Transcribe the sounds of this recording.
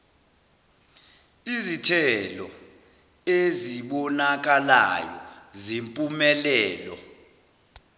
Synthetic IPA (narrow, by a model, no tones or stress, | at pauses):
izitʰɛlɔ | eziɓɔnak̬alajɔ̰zimpʼumɛlɛːlɔ